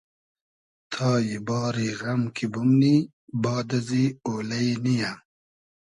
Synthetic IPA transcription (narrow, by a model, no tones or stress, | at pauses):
t̪ʰɑːjibɑːɾiɣɐmkʰibumni | bɑːd̪azioːlɐjnija